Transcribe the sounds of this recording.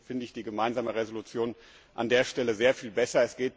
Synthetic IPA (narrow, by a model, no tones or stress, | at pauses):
fɪndəɪçd̥iːɡəmaɪnzaːməʁezolut͡sjoːn | ʔa̰ndeːɐʃtɛləzeːɐfiːlbɛsɐɛsɡ̥eːt